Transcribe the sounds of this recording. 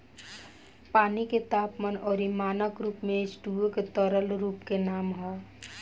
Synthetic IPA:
paːniket̪aːpmənɔːɾimaːnəkɾuːpmẽɪsʈuːoket̪ɔɾəlɾuːpkenaːmɦɔː

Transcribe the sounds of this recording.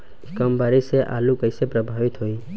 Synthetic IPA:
ikəmbaɾiseʔa̰lũkəjsepɾəbʱaʋit̪ɦoi

